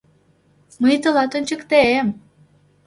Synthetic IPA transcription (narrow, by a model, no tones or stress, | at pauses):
məjt̪əlɑt̪ønʲt͡ɕəkt̪eem